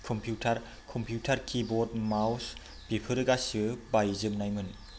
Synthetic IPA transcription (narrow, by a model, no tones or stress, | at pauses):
kʰɔmpʰjutʰaɾ | kʰɔmpʰjutʰɐɾkʰibod̚maws | pipʰɯɾɯɡasɯbajzɯmnajmɯn